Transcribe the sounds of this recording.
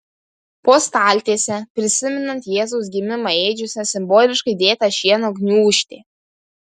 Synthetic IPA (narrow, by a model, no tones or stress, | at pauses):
poːst̪ɑːlʲt̪ʲeːsʲɛpʲɾʲɪsʲɪmʲɛnɐnt̪jeːzɔʊs̬ɡʲɪmʲɪmɐeːd͡ʒʲʊsʲɛsʲɪmboːlʲɪʃkɐɪd̪ʲeːt̪ɐʃʲiɛnoːɡʲnʲuːuʃʲt̪ʲeː